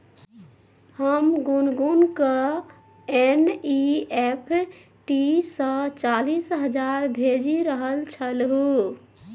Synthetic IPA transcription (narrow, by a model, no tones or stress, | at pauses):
həmɡunɡunkə | eniepʰ | ʈisə̃t͡ʃalisɦəd͡ʒaɾbʱed͡ʒiɾəɦəlt͡ʃʰəlɦu